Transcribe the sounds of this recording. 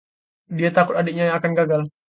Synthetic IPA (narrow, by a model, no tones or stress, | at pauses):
diat̪akʊt̪adeʔɲajaakanɡaɡal